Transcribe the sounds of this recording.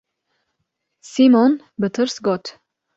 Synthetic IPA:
simɔn | bət̪ʰəɾsɡɔt̪ʰ

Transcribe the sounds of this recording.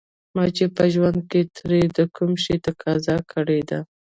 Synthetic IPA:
mɑt͡ʃepəʒwand̪̚ket̪ʰɾed̪əkumʃet̪akɑzɑkʰəɽed̪a

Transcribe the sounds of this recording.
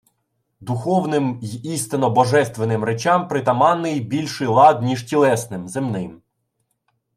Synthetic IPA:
d̪ʊxɔwnɪmist̪ɪnɔbɔʒɛst̪ʋenɪmɾet͡ʃɑmpɾɪt̪ɐmɑnːɪjbʲilʲʃɪjlˠɑd̪nʲiʒtʲilˠɛsnɪmzemnɪm

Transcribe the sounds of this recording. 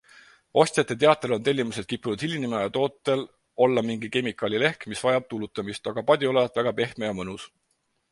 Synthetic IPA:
ʔo̞sʲt̪ʲjɑt̪ˑːe̞t̪e̞ɑt̪ːˑelo̞nt̪e̞lʲːimuse̞d̪̥̚kipːˑunud̪̥hilʲːinimɑjɑt̪o̞ːt̪ːˑe̞l | o̞lːɑmiŋɡike̞mikˑɑlʲile̞hkmisvɑjɑb̥̚t̪ulut̪ːˑɑmist̪ɑɡ̥ɑpɑd̪̥ʲio̞le̞vɑt̪ˑvæɡ̥ɑpe̞hmejɑmɤnus

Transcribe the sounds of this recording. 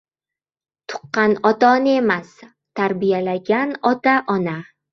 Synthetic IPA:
t̪ʰʊ̥qːɑnɒt̪anemas | t̪ʰaɾbijalaɡʲanɒt̪aʔɒna

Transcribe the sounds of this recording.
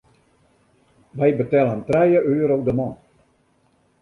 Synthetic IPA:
ʋɛjbətɛlˠəntrɛjəʔøːɾowdəmɑ̃ːn

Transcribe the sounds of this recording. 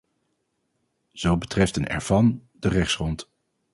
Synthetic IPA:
z̥owbətrɛftənɛ̰ɹv̥ɑn | d̥ərɛχsrɔnt

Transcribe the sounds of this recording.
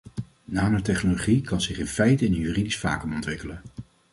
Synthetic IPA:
naːməɹtɛχnoloχikɑnzɪχɪnfɛjtəɪnənɦyridisfa̰ːkəmɔntʋɪkələn

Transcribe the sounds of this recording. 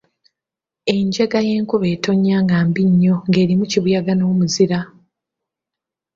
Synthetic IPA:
e̞ɲɟeɡaje̞ːŋkuβe̞ːto̞ɲːaːŋɡaːmbiɲːo̞ŋɡe̞ːɾimuciβujaɡano̞ːmuziɾa

